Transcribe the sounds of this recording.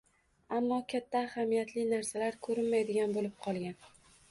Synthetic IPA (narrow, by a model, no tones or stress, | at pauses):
amːɒkʲʰat̪ʰːaːhamijat̪lɪnaɾsalaɾkʰɵɾɪnmajd̪ɪɡʲanbolɪp̚qʰɒlˠɡʲan